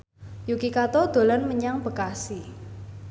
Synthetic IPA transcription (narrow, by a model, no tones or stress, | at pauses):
jukikat̪ɔd̪̥o̤lɔnməɲaŋb̥ə̤kasi